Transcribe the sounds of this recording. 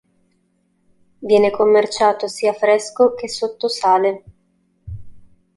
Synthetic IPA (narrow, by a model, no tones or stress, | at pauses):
vjɛːnekomːert͡ʃaːt̪osiːafɾɛskok̟esot̪ːosaːle